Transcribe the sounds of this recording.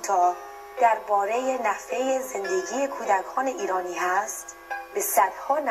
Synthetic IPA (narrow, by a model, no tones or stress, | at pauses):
t̪ʰɒː | d̪̥æɾbɒːɾe̞jenæfejeze̞nd̪e̞ɟiːekʰuːd̪ækʰɒːneʔiːɾɒːniːæst̪ | be̞sæd̪̥hɒːn